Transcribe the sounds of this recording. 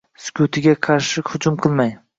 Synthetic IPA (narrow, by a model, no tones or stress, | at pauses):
skʲʰʊt̪ʰɪɡʲaqʰɑɾʃɪhʊd͡ʒʊmqʰɨlˠmaj